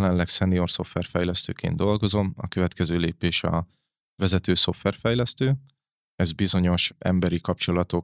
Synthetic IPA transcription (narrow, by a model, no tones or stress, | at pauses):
lɛnlɛksɛnijo̞rso̞fʋɛrfɛjlɛst̪ø̰ːkḛːnd̪o̞lɡo̞zo̞mɒ̰kø̞vɛt̪kɛzøːleːpeːʃɒ̰ | vɛzɛt̪øːso̞fʋɛrfɛjlɛst̪øː | ɛzbizo̞ɲo̞ʃʔɛ̰mbɛɾikɒp̚t͡ʃo̞lɒt̪o̞